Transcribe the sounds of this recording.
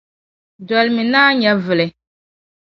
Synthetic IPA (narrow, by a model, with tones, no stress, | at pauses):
dɔ˨lmɪ˨naː˦ɲa˦vɨ˨lɛ˨